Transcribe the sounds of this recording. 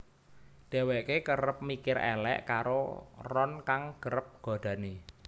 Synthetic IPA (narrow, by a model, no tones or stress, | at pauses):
ɖ̥ɛ̤wɛʔkekəɾəp̚mikɪɾɛ̰lɛ̰ʔkaɾorɔnkaŋɡ̥əɾəp̚ɡ̥ɔ̤d̥ä̤ne